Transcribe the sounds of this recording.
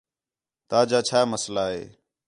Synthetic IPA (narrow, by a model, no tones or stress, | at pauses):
t̪aːd͡ʒaːt͡ʃʰaːməslaːɦḛː